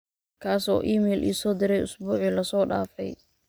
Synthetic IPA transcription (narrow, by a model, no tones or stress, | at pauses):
kʰaːsɔ̰ːʔiːmɛːlʔḭːsɔːd̪ɪɾɛjʔʊsbuːʕilɐsɔːɖa̰ːfɛ̰j